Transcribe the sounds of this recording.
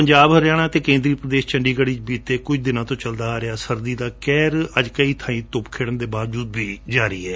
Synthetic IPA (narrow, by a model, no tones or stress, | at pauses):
pəɲd͡ʒaːbɦəɾjaːɽ̃ãːt̪eːkẽːnd̪ɾiːpɾəd̪eːst͡ʃəɳɖiːɡəɽiːt͡ʃbiːt̪eːkʊt͡ʃd̪ɪnãːt̪õːt͡ʃəld̪aːɾɪaːsəɾd̪iːd̪aːkɛːɾəd͡ʒkəiːt̪ʰãːĩːt̪ʊpkʰeːɽənd̪eːbaːd͡ʒuːd̪biːd͡ʒaːɾəḭːɦɛː